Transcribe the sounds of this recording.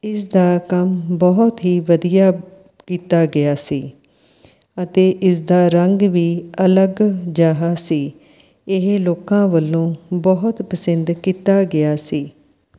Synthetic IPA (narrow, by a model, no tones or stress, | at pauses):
ɪsd̪aːkəmbɔɦʊt̪ɦiːʋəd̪ijaː | kiːt̪aːɡɪaːsiː | ət̪eːʔɪsd̪aːɾəŋɡʋiːələɡd͡ʒaːɦaːsiː | ɪɦeloːkãːʋəlːõːbɔɦʊt̪pəsənd̪kiːt̪aːɡɪaːsiː